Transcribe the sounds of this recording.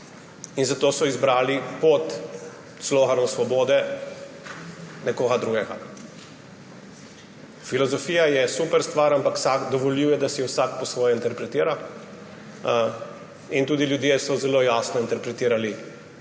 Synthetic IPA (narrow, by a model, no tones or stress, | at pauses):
inzat̪oːsɔizbɾaːlipɔt̪ | sloːɣanɔmsʋɔboːd̪ɛ | nɛkoːɡad̪ɾuɡɛɡa̰ | filɔzɔfiːjajɛsuːpɛɾst̪ʋaɾampaksakd̪ɔʋɔliwjɛd̪asiɛwsakpɔsʋɔːjɔint̪ɛɾpɾɛt̪iːɾa | int̪uːd̪iljud̪jesɔzɛloːjaːsnɔint̪ɛɾpɾɛt̪iːɾali